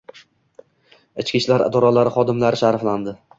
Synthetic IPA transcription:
ɪt͡ʃkʲiʃlaɾɪ̰d̪ɒɾɒlaɾɪχɒd̪ɪmlaɾɪʃaɾfland̪ɪ

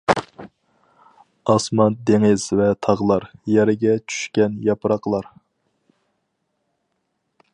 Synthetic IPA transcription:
ɑsmɑnd̪eŋɪz̥vɛt̪ʰɑʁlˠɑɾjɛɾɪɡʲɛt͡ʃʰy̥ʃkʲɛnjɑpɾɑqlˠɑɾ

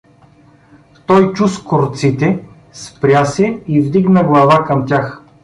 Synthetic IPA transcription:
t̪ɔjt͡ʃuskoɾt̪sit̪ɛ | spɾʲasɛivd̪iɡnəɡlˠɐvakɐmt̪ʲjax

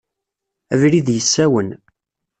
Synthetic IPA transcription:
ævɾiðjəsːæwən

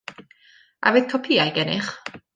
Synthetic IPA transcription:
ʔa̰veːð̥kʰɔpʰiːajɡɛnɪ̰χ

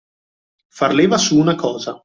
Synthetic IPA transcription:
farleːvasuːnakʰɔːza

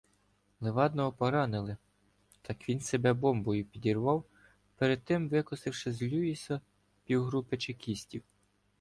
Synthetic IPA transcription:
lˠɪʋɑd̪nɔɦɔpɔɾɑnɪlˠɪ | t̪ɑkʋʲinsebɛbɔmbɔjʊpʲidʲirʋɑw | peɾed̪̚t̪ɪmʋɪkɔsɪwʃɪzlʲuisɐ | pʲiwɦɾupɪt͡ʃekʲisʲtʲiw

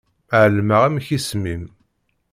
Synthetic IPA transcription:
ʕəlməʁæmçismim

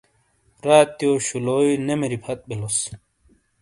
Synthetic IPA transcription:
ɾaːt̪ːjoːɕuloːinemeɾipʰɐt̪̚belos

